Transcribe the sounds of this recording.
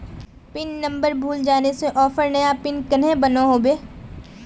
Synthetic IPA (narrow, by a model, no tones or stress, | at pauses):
pɪnːɐ̃mbəɾbʱuːld͡ʒaːneseʔɔːfəɾnɐjapɪnkɐnẽbɐnoɦoːbeː